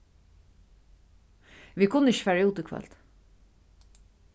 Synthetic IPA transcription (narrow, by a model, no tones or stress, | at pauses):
ʋiːkʰʊnːəɪç̥fæːɹauːt̪ɪkʰvœ̰lt̪